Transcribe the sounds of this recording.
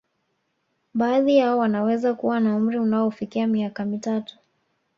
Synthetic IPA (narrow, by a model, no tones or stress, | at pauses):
baːðijaɔwanawɛzakuwanaum̩ɾiunaɔfikiamiakamitatu̥